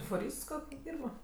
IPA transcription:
fʊˈrʲiːst ˈkoːkʲ ˈdʲiːrbɐ

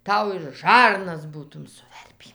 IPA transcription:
ˈtɐʊ ɪr ˈʒɐrnɐs ˈbuːtʊm sʊˈʋʲɛrʲpʲiː

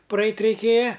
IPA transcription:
prɐˈɛɪtʲ rʲɛɪˈkʲeːjɛ

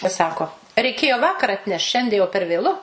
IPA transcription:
ɪ ˈsɑːkoː rʲɛɪˈkʲeːjoː ˈʋɑːkɐr ɐtʲˈnʲɛʃt ˈʃʲɛnʲdʲiɛ jɛʊ pʲɛr ʋʲeːˈlˠʊ

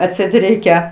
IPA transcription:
ɐtʲˈsʲɛɪt ˈrʲɛɪkʲɛ

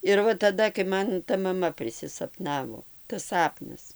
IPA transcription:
ɪr ˈʋɐ tɐˈdɐ kɐɪ ˈmɐn tɐ mɐˈmɐ pʲrʲɪsʲɪsɐˈpnɑːʋoː tɐs ˈsɑːpnɐs

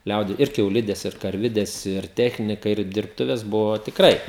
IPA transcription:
ˈlʲɛʊdʲɪ ɪr kʲɛʊˈlʲɪdʲɛs ɪr kɐrʲˈʋʲɪdʲɛs ɪr ˈtʲæːxʲnʲɪkɐ ɪr dʲɪrpˈtʊʋʲɛs ˈbʊʋoː tʲɪkˈrɐɪ

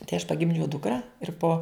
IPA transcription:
tɐɪ ɐʃ pɐˈɡʲɪmʲd͡ʒʲɛʊ ˈdʊkrɐ ɪr poː

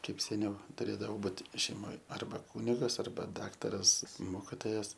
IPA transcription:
ˈkɐɪp sʲɛˈnʲɛʊ tʊˈrʲeːdɐʋoː ˈbuːt ʃʲɛɪˈmoːj ɐrˈbɐ ˈkuːnʲɪɡɐs ɐrˈbɐ ˈdɑːktɐrɐs ˈmoːkʲɪtoːjɛs

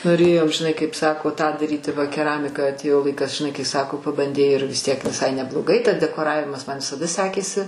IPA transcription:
noːˈrʲeːjɛʊ ʒʲɪˈnɐɪ kɐɪp sɐˈkoː ˈtɑː dɐˈrʲiːtʲɪ ˈʋɐ kʲɛˈrɑːmʲɪkɐ ɐtʲˈeːjoː ˈlˠɐɪkɐs ʒʲɪˈnɐɪ kɐɪ ˈsɑːkoː pɐbɐnʲˈdʲɛɪ ɪr ʋʲɪs ˈtʲiɛk ʋʲɪˈsɐɪ nʲɛblˠoːˈɡɐɪ tɐs dʲɛkoːˈrɑːʋʲɪmɐs ˈmɐn ʋʲɪsɐˈdɐ ˈsʲæːkʲeːsʲɪ

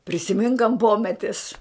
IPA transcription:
pʲrʲɪsʲɪˈmʲɪŋk ɐnt ˈpoːmʲɛtʲɪs

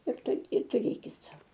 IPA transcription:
ɪr ˈtɐɪp ɪr tʊˈrʲeːkʲɪt ˈsɐʊ

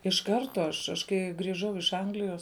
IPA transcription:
ɪʃ ˈkɐrtoː ɐʃ ɐʃ ˈkɐɪ ɡrʲɪˈʒɐʊ ɪʃ ˈɐŋɡlʲɪjoːs

